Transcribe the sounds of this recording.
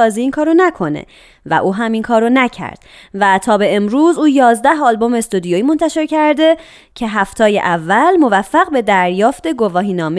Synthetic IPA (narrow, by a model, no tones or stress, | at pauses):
ɒːziiːŋkʰɒːɾonækʰo̞nḛ | væ̰ʔuːɦæmiŋkʰɒːɾonæcʰæ̰ɾd̪̥ | væt̪ʰɒːbe̞emɾuːzuːjɒːzd̪æhɒːlbo̞me̞st̪ud̪ijoiːmo̞nt̪ʰæʃe̞ɾcʰæɾd̪e̞ | cʰe̞ɦæft̪ʰɒːjḛʔævːælmo̞væfːæɣbe̞d̪æɾjɒːft̪e̞ɡo̞vɒːɦiːnɒːme